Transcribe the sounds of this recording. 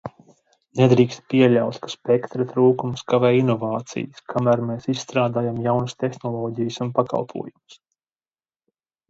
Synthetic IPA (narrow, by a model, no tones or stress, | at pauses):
nɛd̪ɾiːkst̪̚pʲiɛʎʲawt̪kḁspʲɛkt̪ɾat̪ɾuːkumskavɛːinɔvɑːt̪sḭjskʰamæːɾmeːsissːt̪ɾaːd̪aːjamjawnɨst̪ɛxnɔlˠɔːɟijsunpaka̰lˠpʰṵɔjums